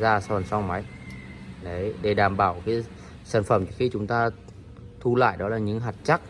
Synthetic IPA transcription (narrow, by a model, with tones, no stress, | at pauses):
zaː˧sa˧˨ə˨˩nsa˧ma˨˦j | ɗə˨˦jɗe˧˩ɗaː˨˩mɓaː˧˩wkaiː˨˦ | saː˧˩nfə˧˩mt͡ɕɨ˧˦˥xi˧t͡ɕʊ˨˦ŋ͡mt̪aː˧ | t̪ʰu˧la̰ː˧˨jɗɔ˨˦laː˨˩ɲɨ̰˧˥ŋɦaː˨˩t̚t͡ɕa˦˥k̚